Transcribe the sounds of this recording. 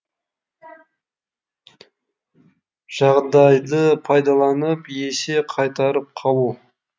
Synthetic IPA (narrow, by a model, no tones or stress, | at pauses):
ʒ̥ɑʁd̪ɑjd̪əpʰɑjd̪ɑlˠɑnəpje̞seqʰɑjt̪ɑɾəp̚qʰɑlˠu